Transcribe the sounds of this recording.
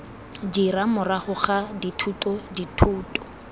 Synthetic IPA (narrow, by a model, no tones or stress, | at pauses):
d͡ʒiɾamʊraχʊχaditʰutʼɔditʰuːtʼɔ̥